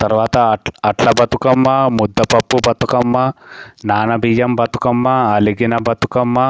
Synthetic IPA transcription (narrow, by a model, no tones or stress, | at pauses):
t̪ɐɾʋaːt̪ɐɐʈlɐbɐt̪ukɐmːɐmud̪ːɐpɐpːubʱɐt̪ukɐmːɐnaːnɐbijɐmbɐt̪u̥kɐmːɐɐliɡinɐbɐt̪ukɐmːɐ